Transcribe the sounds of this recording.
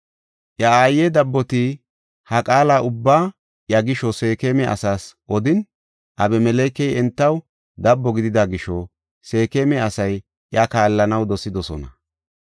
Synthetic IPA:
ʔjɐaːjɛd̪ɐbːɔt̪i | hɐkʼaːlaːʔʊbːaː | ʔjɐɡɪʃɔse̞ːkemɛʔɐ̰saːsʔɔd̪ɪn | ʔɐbɛmɛlejkːɛjɛnt̪ːɐw | d̪ɐbːɔɡɪd̪ɪd̪aɡɪʃɔ | se̞ːkeːmɛɐsɐj | ʔjɐkaːlːɐnɐwd̪ɔsɪd̪ɔsɔ̰nɐ

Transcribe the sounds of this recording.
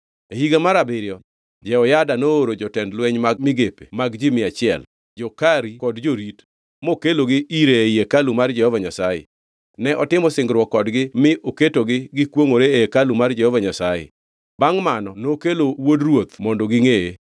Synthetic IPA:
ehiɡamaɾabɪɾɪjɔ | d͡ʒɛɔjadanooɾod͡ʒɔtɛndlwɛɲmaɡ̚mɪɡepe̥maɡd͡ʒɪmɪat͡ʃɪɛ̰l | d͡ʒɔkaɾikɔdd͡ʒoɾit | mokeloɡɪiɾeeijekalumard͡ʒɛhɔvaɲasajḛ | nɛʔɔtɪmɔsɪŋɡɾwɔkːɔdɡɪmɪʔoketoɡɪɡɪkwoŋoɾeekalumard͡ʒɛhɔvaɲasajḛ | baŋmanɔnokelowodrwot̪mɔndɔɡɪŋeje

